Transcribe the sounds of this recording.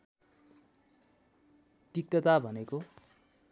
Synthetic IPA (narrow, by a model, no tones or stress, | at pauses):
ʈik̚t̪ʌt̪abʱʌneko